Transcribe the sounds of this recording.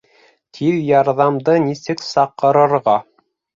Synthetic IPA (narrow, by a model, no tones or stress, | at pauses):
t̪ʰiɾjɑɾðɑmd̪ɤnisɘksɑqːɤ̆ɾɤ̆ɾʁɑ